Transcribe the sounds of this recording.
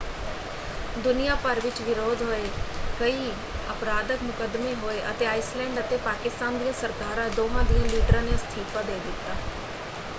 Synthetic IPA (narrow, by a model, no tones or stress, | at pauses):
d̪ʊnijapɐɾʋɪt͡ʃʋɪɾoːd̪ʱɦoːekɐi | ɐpɾaːd̪əkmʊkəd̪meɦoːeʔɐ̰t̪eaːɪslɛ̃ːɳɖɐt̪epaːkɪst̪aːnd̪iəsɐɾkaːɾad̪oːɦãd̪iːə̃liːʈɾə̃nest̪ʰiːpəd̪eːd̪ɪt̪ːaː